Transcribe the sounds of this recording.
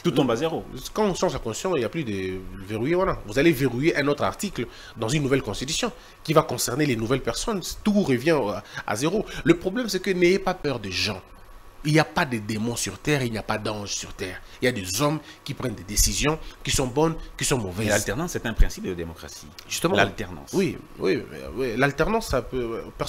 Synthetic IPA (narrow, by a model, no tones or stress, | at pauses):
t̪uɔ̃bazeʁokɑ̃sɑ̃zãkɔ̃sjɔ̃iljaplyd̪əveʁujevwalavuzaleveʁujeʔɛ̃not̪χa̰ʁt̪ikl | d̪ɑ̃zynːuvɛlkɔ̃st̪it̪y̥sjɔ̃ | kivakɔ̃sɛʁnelenuvɛlpɛʁsɔnst̪uʁəvjɛ̃a̰zeʁoləpχɔblɛmsɛkəneepapœʁd̪eʒɑ̃ | iliapad̪əd̪emɔ̃syʁt̪ɛːʁilnijapad̪ɑ̃ʒsyʁt̪ɛːʁiljad̪ezɔm | kʲipʁɛnd̪ed̪esizjɔ̃kisɔ̃bɔnkisɔ̃mɔvɛzalt̪ɛʁnɑ̃sɛt̪ɛ̃pχɛ̃sip̚d̪əd̪emɔkʁa̰si̥̰ʒyst̪əmɑ̃alt̪ɛʁnɑ̰̃swi | wḭwilalt̪ɛʁnɑ̃sapøpɛ